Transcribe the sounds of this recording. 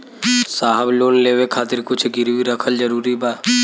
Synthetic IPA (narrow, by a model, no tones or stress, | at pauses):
saːɦəbloːnleːwekʰaːt̪ɪɾkʊt͡ʃʰɡɪɾwiɾəkʰəld͡ʒəɾuːɾibaː